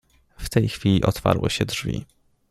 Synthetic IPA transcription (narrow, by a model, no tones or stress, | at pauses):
ft̪ɛjxfʲilʲiʔɔt̪fa̰ɾwɛ̰ɕɛdʐvʲḭ